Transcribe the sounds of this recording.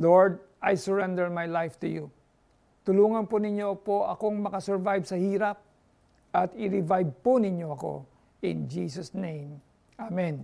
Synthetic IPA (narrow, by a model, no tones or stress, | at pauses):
loɹd̪̚ʔajsɛɹɛnd̪ɛɹmajlajft̪ʊju | t̪ʊluːŋɐnpʊnɪɲo̞poʔɐko̞ŋmɐkɐsɛɹvajbsɐhiːɾɐp̚ | ʔɐt̪ɪɾɪvajb̚pʊnɪɲjo̞ʔɐko̞̰ | ʔɪ̰nd͡ʒiːsɐsnẽjm | ʔamɛ̃n